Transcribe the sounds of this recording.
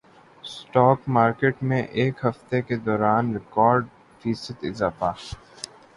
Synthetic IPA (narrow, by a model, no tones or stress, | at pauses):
sʈɔːkmaːɾkeːʈmẽʔeːkɦɐft̪eked̪ɔːɾaːnɾɪkɔːɾɖ | fiːsət̪ɪ̰zaːfa